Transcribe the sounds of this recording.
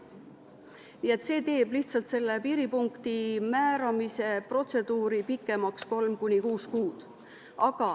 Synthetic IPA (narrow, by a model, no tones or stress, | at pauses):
niːe̞t̪ːˑse̞ːt̪e̞ːb̥liht̪sɑlt̪se̞lːe̞piːɾipuŋkt̪imæːɾɑmise̞pro̞t̪se̞d̪̥uːɾipikːˑe̞mɑksko̞lmkunʲikuːskuːd̪̥ | ʔɑɡ̥ɑ